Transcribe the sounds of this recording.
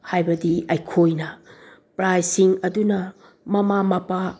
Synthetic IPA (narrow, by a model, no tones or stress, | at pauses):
hajbɐdiɐjkʰojnɐ | pɾajsiŋɐdunɐ | mɐmamɐpa